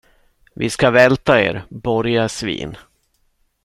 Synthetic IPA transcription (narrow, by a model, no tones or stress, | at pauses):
vɪ̰skavɛlt̪aḛːɾbɔɾjasvḭːn